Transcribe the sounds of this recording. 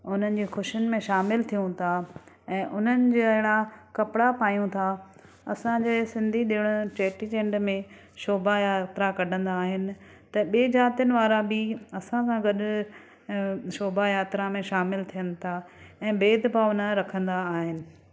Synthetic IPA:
ʊn̤ənɪ̆d͡ʑeːxʊʃənɪ̆mẽʃaːmɪlt̪ʰijũt̪ʰa | ɛ̃ːʔʊn̤ənɪ̆d͡ʑeɐɦɪɽakɐpɪɽapaːjũt̪ʰa | ɐsãd͡ʑeːsɪ̃nd̪ʱiɗeːɽ̃ʊʈeːʈid͡ʑẽːɳɖmẽ | ʃoːbajaːt̪ɾakɐɖʱə̃nd̪aːɦɪnɪ̆ | t̪ɐɓeːd͡ʑaːt̪ɪjənɪ̆ʋaːɾabɪɐsãsãɡɐɗ | ʃoːbajaːt̪ɾamẽʃaːmɪlt̪ʰijənɪ̆t̪ʰaɛ̃ːbeːd̪baʊn̤ə̆ɾɐkʰə̃nd̪aːɦɪnɪ̆

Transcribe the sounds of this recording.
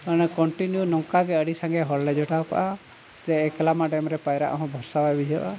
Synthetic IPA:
kañɛkɔɳʈinjunɔŋkaɡɛəɽisaŋɡɛɦɔllɛd͡ʒɔʈaka̰ʔa | d͡ʒɛɛkɛlamaɖɛmɾɛpajɾa̰ʔɦɔ̃bʱɔɾsabajbid͡ʒʱɛʔa̰

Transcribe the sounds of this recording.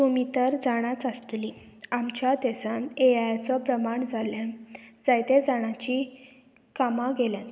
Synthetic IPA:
t̪umit̪əɾd͡zaɽ̃jat͡səst̪li | amt͡ɕjat̪esãnejajt͡sɔpɾəmaɳd͡zʱaljand͡zajt̪ẽd͡zaɽ̃at͡ɕi | kamãɡeljãn

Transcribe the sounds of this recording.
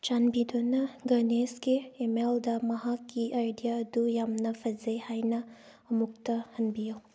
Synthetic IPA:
t͡ʃanbid̪onɐɡɐneskeːmeld̪ɐmɐɦakːiʔajdijaɐd̪ujamnɐpʰɐzɐjhajnɐ | ɐmuk̚t̪ɐhɐnbijaw

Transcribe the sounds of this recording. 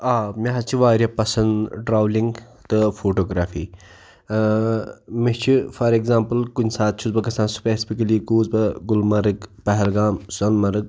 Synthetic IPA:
aːmʲeɦɐt͡ʃʰiʋaːɾjɐpɐsɐnɖɾaːwliŋɡ | t̪ɨfʰoːʈoːɡɾaːfḭː | mit͡ʃʰifɐɾeɡzãːmpɨlkunʲsaːt̪̚t͡ʃʰuzbɐkɐsãːnsu̥pespikɐliːkuːzbɐɡʊlmɐɾɨkpɐɦɛlɡaːmsɐnmɐɾɨk̚

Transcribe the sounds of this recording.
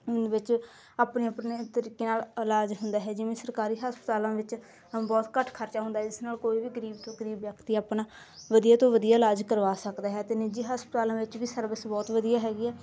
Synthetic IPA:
nʋɪt͡ʃ | aːpneːəpneːt̪əɾiːkeːnaːləlaːd͡ʒɦʊnd̪aːɦɛːd͡ʒɪʋẽːsəɾkaːɾiːɦaːspət̪aːlãːʋɪt͡ʃ | bɔːt̪kəʈʰkʰəɾt͡ʃaːɦʊ̃nd̪aɦɛːd͡ʒɪsnaːlkoːiːʋiːɡəɾiːbt̪õːɡəɾiːbjəkt̪iːaːpnaː | ʋəd̪ijaːt̪õːʋəd̪ijaːlaːd͡ʒkəɾʋaːsəkd̪aːɦɛːt̪eːnid͡ʒiːɦaːspət̪aːlãːʋɪt͡ʃʋiːsəɾbəsbɔːt̪ʋəd̪ijaːɦɛːɡiːɛː

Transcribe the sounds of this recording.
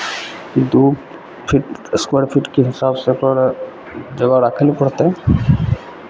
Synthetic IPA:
kid̪o | pʰiʈskwaɽpʰiʈkeɦɪsaːbsepəɾ | d͡ʒəɡaɾaːkʰlipəɽt̪eɦɛ̃

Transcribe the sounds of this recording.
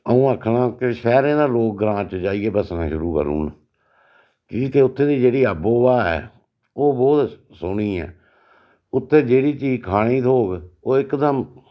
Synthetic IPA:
əũːəkʰnãːkeʃɛːɾẽːd̪aːloːk̚ɡɾãːt͡ʃd͡ʒaːiːeːbəsnãːʃʊɾuːkə̰ɾṵːn | kiːkeːʊt̪ʰːeːd̪iːd͡ʒeːɽiːaːboːbaːɛ̰ː | oːbɔːt̪ | sʊɳiːɛ̰ː | ʊt̪ʰːeːd͡ʒeːɽiːt͡ʃiːd͡ʒkʰaːɽ̃iːt̪oːɡoːɪkd̪əm

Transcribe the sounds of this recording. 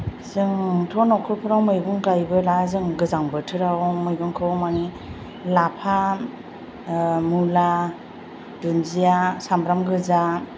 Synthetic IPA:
sɯŋtʰɔnɔkʰɯɾpʰɯɾawmɯjbɯŋɡajbɯlazɯŋɡɯzaŋbɯtʰɯɾawmɯjbɯŋkʰɯwmani | lapʰa | mula | dunzijasambɾamɡɯza

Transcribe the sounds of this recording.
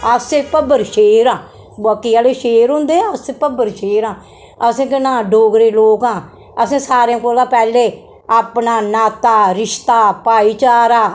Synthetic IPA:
əseːpəbəɾʃeːɾãː | baːkiːaːleːʃeːɾɦʊ̃nd̪eːəsepəbəɾʃeːɾãː | əsẽːkɪnãːɖoːɡɾeːloːkãː | əsẽːsaːɾãːkoːlãːpɛːleː | aːpnaːnaːt̪aːɾɪʃt̪aːpaːiːt͡ʃaaːɾaː

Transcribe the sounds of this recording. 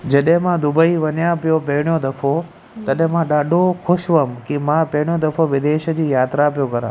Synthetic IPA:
d͡ʑəɗɦẽmãd̪ʊbəiʋənjãpijopeɦɳjod̪əfʰo | t̪əɗẽmãɗaːɖʱokʰʊʃʋəmkimãpeɳjod̪əfʰoʋɪd̪eːʃd͡ʑiːjaːt̪ɾapjokəɾã̰ː

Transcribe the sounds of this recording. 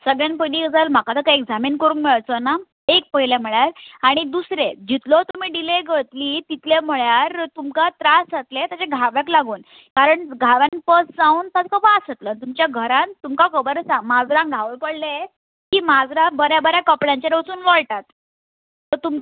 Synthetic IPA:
səɡɭjanpəniːɡd͡zalm̤akat̪əkaeɡd͡zamiːnkəɾuːŋkmiɭt͡sɔna | ek̚pəɦilam̤əɭjaɾaɽ̃id̪usɾed͡ʑit̪lɔt̪um̤iːɖileɡət̪liːt̪it̪lem̤əɭjaɾt̪umkat̪ɾasat̪let̪jat͡ɕeɡʱaʋjaklaɡuːn | kaɾəɳɡʱaʋanpəsd͡zãuːnt̪at̪kəbasət̪lənt̪umt͡ɕjaɡʱəɾãnt̪umkakəbəɾsamad͡zɾãŋɡʱaʋəpəɽle | kiːmad͡zɾabəɾjabəɾjakɔpɽaɲt͡ɕaɾəsuːnʋɔɭʈat̪ | t̪ɔt̪um

